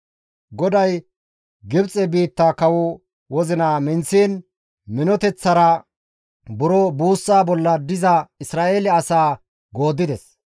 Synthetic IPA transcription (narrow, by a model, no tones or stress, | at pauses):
ɡɔd̪ɐj | ɡɪbt͡sʼːɛbiːt̪ːakɐwʊ | wɔzɪnaːmɪnsiːn | mɪnɔt̪ɛt͡sːɐɾɐ | bʊɾɔbuːsːaːbɔlːɐd̪ɪzɐɪsɾaːʔeːlɛɐsaː | ɡo̞ːd̪ːɪd̪ɛs